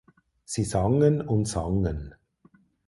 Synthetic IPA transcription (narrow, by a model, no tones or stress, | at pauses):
sisɔŋənʊntsɔŋən